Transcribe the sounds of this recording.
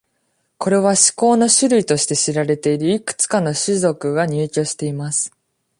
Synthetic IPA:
ko̞ɾe̞β̞aɕi̥ko̞ːno̞ɕɨɾɯ̟it̪o̞ɕi̥t̪e̞ɕiɾaɾe̞t̪e̞iɾɯ̟ikɯ̟̥t͡sɨ̥kano̞ɕizo̞kɯ̟ɡaɲ̟ɨːkʲo̞ːɕi̥t̪e̞imasɨ̥

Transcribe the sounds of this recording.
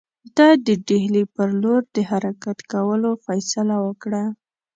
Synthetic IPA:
d̪ɑd̪əɖehlipəɾloɾd̪əhaɾakat̪kawəlofajsalawəkɽa

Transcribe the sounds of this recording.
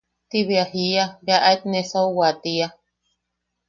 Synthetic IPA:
t̪iβiahiabaʔaet̪nesawwat̪ia

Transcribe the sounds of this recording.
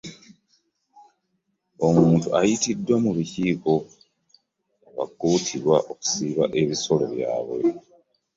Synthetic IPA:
o̞muːntuajitidwamuβiciːko̞ | βa̰k̚uːtʰiɾwaʔoku̥siβaʔe̞βiso̞lo̞βja̰ːβwe̞̰

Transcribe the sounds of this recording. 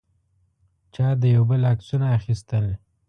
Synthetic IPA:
t͡ʃɑd̪əjawbəlaksunaːxist̪əl

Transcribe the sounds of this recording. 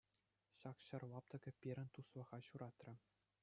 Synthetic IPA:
ɕɑkɕɤ̆rlˠɑp̚t̪ɤ̆ɡʲɤ̆pʲiɾʲɘ̆nt̪uslɤ̆ʁɑɕuɾʔɑt̪rʲɘ̆

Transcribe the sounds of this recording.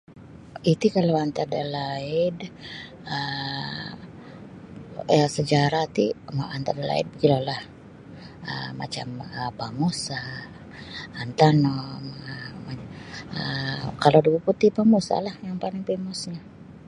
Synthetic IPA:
it̪ikalawant̪adalaɪd | ə | səd͡ʒaɾat̪imant̪adala̰ɪ̰d̚bəɡilulah | ə̰ma̰t͡ʃaməpamosa | nt̪anɔməmaəkaloduɡuput̪ɪhpamosa̰lahjaŋpalɪŋpemɔsɲa

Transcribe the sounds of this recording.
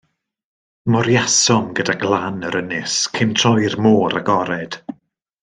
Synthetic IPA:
mɔɾjasɔmɡədaɡlˠanəɾənɪskʰɪmtʰrɔjrmoːɾaɡɔɾɛd̥

